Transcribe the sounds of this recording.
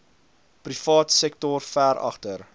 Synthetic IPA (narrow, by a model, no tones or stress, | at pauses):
prifɑːtsɛk̚tɔrfæɾɐ̰χtər